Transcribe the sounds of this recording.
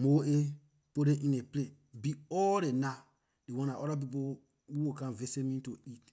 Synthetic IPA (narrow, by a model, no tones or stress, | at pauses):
moe | poɾeʔĩneple | biɔɾena | dewɔ̃naʔɔɾap̬ipo | wuwokãnvesemĩtoit